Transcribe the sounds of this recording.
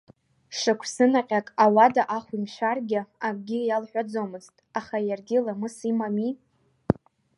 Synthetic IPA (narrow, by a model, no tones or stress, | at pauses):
ʂɨkʷʰsɨnaqʲʼakʼawadaʔaχʷimʃʷᶣarɡʲɪaɡʼɡʲɪjalħʷᶣad͡zomɨztʼaχajarɡʲɪlamɨsimami